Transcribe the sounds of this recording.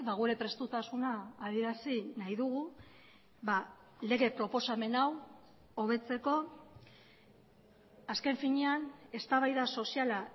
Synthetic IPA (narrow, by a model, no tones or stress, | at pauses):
baɣuɾe̞pɾe̞st̪ut̪asunaːðie̞ɾasinajðuɣ̞u | βa | le̞ɣe̞pɾo̞po̞same̞naw | o̞β̞e̞t͡se̞ko̞ | aske̞ɱfiɲeane̞st̪aβajðaso̞siala